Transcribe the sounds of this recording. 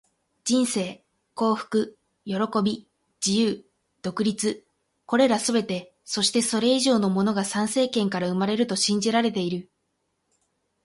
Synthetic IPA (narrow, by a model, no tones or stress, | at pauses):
d͡ʑĩɰ̃se̞ː | ko̞ːɸɯ̟̥kɯ̟ | jo̞ɾo̞ko̞bʲi | d͡ʑijɯː | d̪̥o̞kɯ̟ɾʲit͡sɨ | ko̞ɾe̞ɾasɨbe̞t̪e̞ | so̞ɕi̥t̪e̞so̞ɾe̞iʑo̞ːno̞mo̞no̞ɡasãɰ̃se̞ːkẽ̞ŋkaɾaɯ̟maɾe̞ɾɯ̟t̪o̞ɕĩɲ̟d͡ʑiɾaɾe̞t̪e̞iɾɯ̟